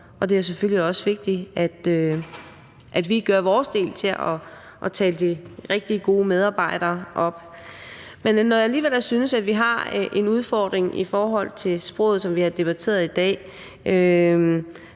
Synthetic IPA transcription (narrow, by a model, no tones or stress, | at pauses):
ɒ̽d̥e̝æs̬eføl̰liɒ̽sʋe̝ɡ̥̚d̥iæd̥ø | ʔæd̥ʋiɡ̥ɶɐʋɒːsd̥e̝̰ːlt͡sʰe̝ɒ̽ | ʔːt͡sʰɛ̰ːləd̥iʁeɡ̥̚d̥iəɡ̥o̝ːmeð̞ˠɑ̈ːb̥ɑ̈ɪ̰d̥ɐːʔɒ̽b̥ | menːɒjɑ̈æliːʋel̰syːnəsæd̥ʋiɦɑ̈ʔe̝nuð̞ˠfɒːd̥ʁeŋʔḭfɒːɦɒ̽l̰t͡sʰe̝sb̥ʁɔ̰ːð̩ˠsɒ̽mʋiɑd̥e̝b̥æt͡sʰe̝̰ːɐð̞̩ˠid̥ɛ̰ː | ø